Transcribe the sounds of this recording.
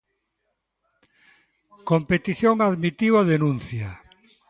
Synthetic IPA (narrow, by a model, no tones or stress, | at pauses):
kompet̪iθjoŋaðmit̪iβaðenũnθja